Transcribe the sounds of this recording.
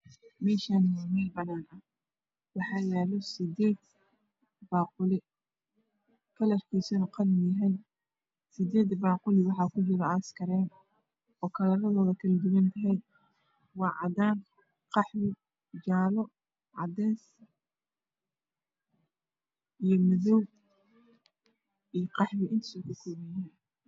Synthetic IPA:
mɛːʃanmɛlbɐnaːnɐh | wɑħɑːjɛːlɔsɪd̪ɛːd̪ | baːqʊlɪ | kʰɐlɐrkʰiːsɔnqɑlmɪjɐɦɛj | sɪd̪ɛːd̪baːqʊlɪwɑħɑːkʰʊɦɪlɐɐskʰɐɾɛːn | ɔːkʰɐlɐɾɐðɔːðɐkʰɐlɐd̪ʊwɐnt̪ʰɐɦɛj | wɑːʕɑd̪aːn | qɑħwɪ | d͡ʒaːlɔ | ʕɑ̰d̪ɛːs | ijɔmɐðɔw | ijqɑħmɪʔɪnt̪ʰɐ̥sɔkʰʊkʰʊmɛjaːn

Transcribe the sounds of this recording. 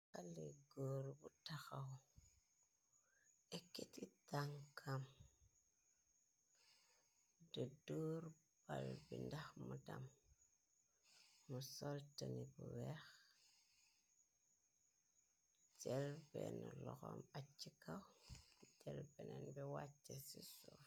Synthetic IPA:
kaliɡoːɾbutaxaw | ekːititaŋkʰam | dadoɾ | b̥albindaxmudam | usoltanibuwex | d͡ʒelbḛnolɔ̰xomat͡ʃːikawd͡ʒelbenenbiwat͡ʃːesiso

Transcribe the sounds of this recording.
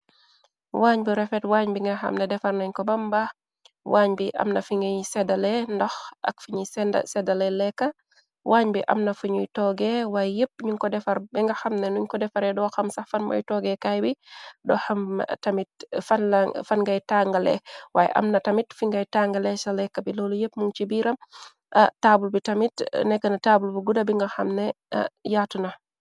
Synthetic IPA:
waːɲbiɾɛfɛtwaɲbiŋɡɐxɐ̰mnɛdɛfarnɐɲkɔbamba | waɲbiʔɐ̰mnɐfiŋɡajsɛdalɛndɔxʔɐ̰kfuɲisɛnda̰sɛdalɛlɛkːa | wʔaːɲbiʔɐ̰mnɐfuɲujtɔɡɛwajjəp̚ɲuɲkɔdɛfaɾbiŋɡɐxɐmnɛnuɲkɔdɛfaɾɛdɔxɐmsafɐnmɐ̰jtɔɡɛkajbidɔxɐmtamit̚fanfanŋɡajtaŋɡɐlɛ̰wa̰j̰ʔɐ̰mnɐtɐmitfiŋɡajtaːŋɡɐlɛsɐlɛkːɐbilɔlujep̚muŋt͡ʃibiːɾɐm | ʔtaːbulbitɐmitnɛkːɐnɐtaːbulbiɡudɐbiŋɡɐxɐmnɛ̰ | jaːtunɐ

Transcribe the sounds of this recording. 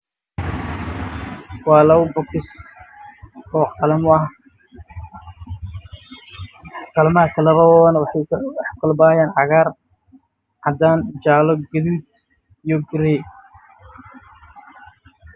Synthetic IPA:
wɑːlɐwbɔkɪs | ɔːqɑlɐmʊɐh | qɑlmɐkʰɐlɐɾɔwnwwɑħkʰɐlbaːjaːnʕɑɣaːr | ʕɑd̪aːnd͡ʒaːlɔɡɐðuːd̪ | ijɔɡɪɾɛ

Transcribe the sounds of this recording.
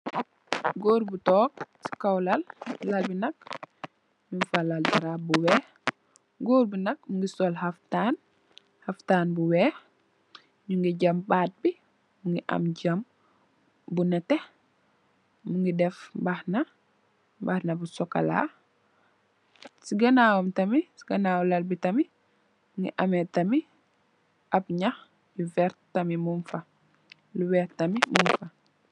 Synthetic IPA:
ɡoːɾbutɔːk̚si̥kawlɐlːalbinɐk̚ | ɲunfalaltaɾabuwɛːh | ɡoːɾbunɐk̚muŋɡisɔlhaftaːn | hɐftaːnbuwɛːh | ɲuŋɡiɟɐmbaːt̚bi | muŋɡiʔɐ̰mɟɐm | bunɛtɛ | muŋɡidɛfbahna | ba̰hnabusɔka̰la̰ː | siɡɐnaːwomtɐmisiɡanaːwlalbitɐmi | muŋɡḭʔametɐmi | ʔapɲax | juvɛɾtamimumfa | luwɛːɾtamimumfa

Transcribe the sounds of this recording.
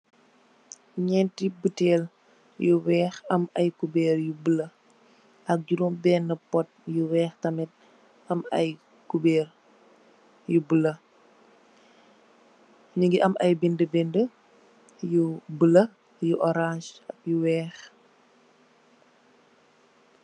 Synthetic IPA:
ɲɛntibutɛːl | juwɛːxɐmɐjkubɛːɾjubəlɐ | ʔɐk̚ɟuɾɔmbɛːnɐpɔt̚juwɛːxtɐmɛt̚ | ɐmɐ̰j | kubɛːr | jubəlɐ | ɲuŋɡiʔɐmʔɐjbindəbɛndə | jubəlɐ | juʔɔɾãʃɐp̚juwɛːx

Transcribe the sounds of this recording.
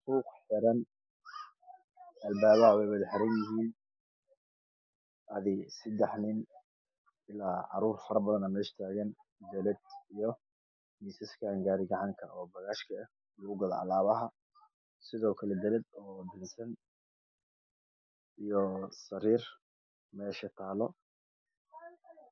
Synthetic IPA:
suːqħɪɾɐn | ɐlbaːβɐwɛjwɐðħɾɐnjɪɦiːn | ʔɐðɪsɪd̪ɛħnɪn | ɪlaːʕɑ̰ɾuːrfɐɾɐbɐðɐnɐmɐɪʃt̪ʰaːɣɐnd̪ɛlɐd̪̚ijɔ | miːsɐskʰaŋɡaːɾɪɡɐʕɑŋkʰɐʔɔːbɐɣaːʃkʰɐ | lʊɣʊɡɐðɐ̰ɑ̰laːβɐɦɐ | sɪðɔːkʰɐlɛd̪ɐlɛd̪ɔːb̪ɪnsɐn | ijɔsɐɾiːr | mɛːʃɐt̪ʰaːlɔ

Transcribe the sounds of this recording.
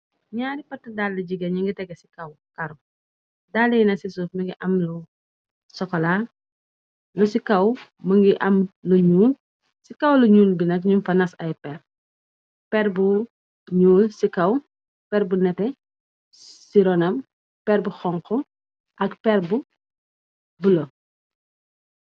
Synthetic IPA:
ɲaːɾipɐtːɐdalːɐɟiɡɐɲiŋɡitɛɡɛsi̥kɐw | kɐɾu | dalːɐjinɐsisuːfmɐŋɡiʔɐmlu | sɔkːɔla | lusikɐw | mɐŋɡiʔɐmluɲuːl | sikɐwluɲuːlbinɐkɲumfɐnɐsɐjpɛr | pɛɾbu | ɲuːlsikɐw | pɛɾbunɛtɛ | siɾɔnɐm | pɛɾbuxɔŋkɔ | ʔɐkpɛrbu | bulo

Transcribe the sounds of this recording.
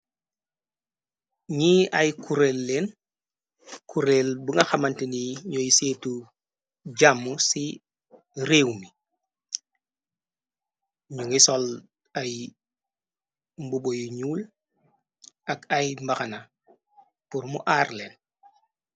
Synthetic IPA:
ɲiːajkʰuɾeːlːeːn | kʰuɾeːlbuŋɡaxamantiniɲojiseːtu | ɟamːusi | ɾeːwmi | ɲuŋisol | aj | mbubojuɲuːl | akajmbaxana | puɾmṵʔaːrleːn

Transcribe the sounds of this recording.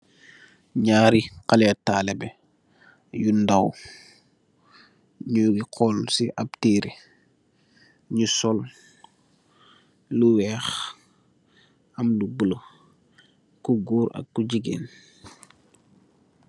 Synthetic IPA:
ɲaːɾiqalɛtaːlɛbɛ | jundaw | ɲuɡiqʰɔlsiʔap̚tiːɾi | ɲusɔl | luwɛːx | ɐmlubulo | kuɡuːɾɐ̰kːuɟiɡḛːn

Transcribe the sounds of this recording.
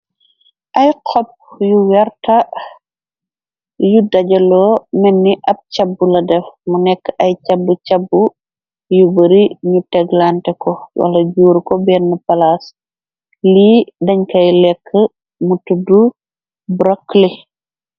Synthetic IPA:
ʔɐjqʰɔp̚juwɛrtɐ | judɐɟɐlɔːmɛnːiʔɐp̚cabːulɐdɛfmunɛkːɐjt͡ʃɐbːucɐbːu | jubɐɾiɲutɛɡlantɛkɔwʔɐ̰lɐɟuːɾkɔbɛnːɐpɐlas | lidɐɲkɐjlɛkʰːə | mutudu | bɾɐkːli

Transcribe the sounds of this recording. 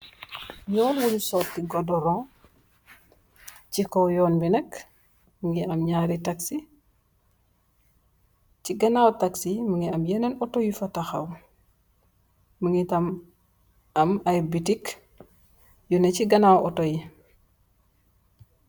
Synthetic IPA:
jɔːnwulusɔtːiɡɔdɔɾɔ̃ | cikɔwjɔːnbinɐk | məŋɡiʔɐmɲaɾitaksi | ciɡɐnawtaksiməŋɡiɐmjɛnɐnɔtojufɐtaxɐw | məŋɡitɐm | ɐmajbitik | juneciɡɐnawɔtoji

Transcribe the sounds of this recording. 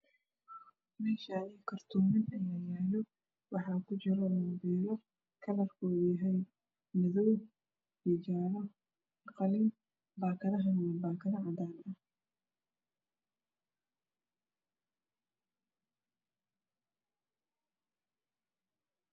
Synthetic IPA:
mɛːʃaːnijkʰɐrt̪ʰuːmɪnɐjaːjaːlɔ | wɑħɑːkʰʊt͡ʃɪɾɔnɐbɛːɾɔ | kʰɐlɐrkʰɔːjiɦɛj | mɪðɔw | jɛd͡ʒaːlɔ | qɑlɪn | baːkʰɐðɐɦɐnɛbaːkʰɐðɐʕɑd̪aːnɐh

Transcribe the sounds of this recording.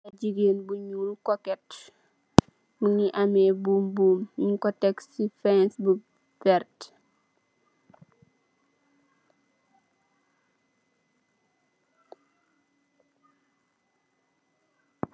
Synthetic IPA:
ɐɟiɡeːnbuɲulukɔkɛt | muŋiʔamɛːbuːmbuːmiɲkɔtɛksifɛnsbu | fɛrt

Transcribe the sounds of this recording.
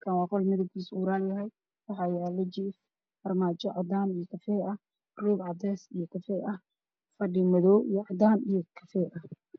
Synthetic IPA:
kʰɐnwɑːqɔlmɐðɐwkʰiːsuːɾaːnjɐɦɛj | wɑħɑːjaːlɛd͡ʒif | fɐrmaːt͡ʃɔʕɑd̪aːnijɔkʰɐfɛːɐ | ruːɡʕɑd̪ɛːsijɔkʰɐfɛːʔɐh | fɐɖɪmɐðɔːwijɔʕɑd̪aːnijɔkʰɐfɛːʔɐh

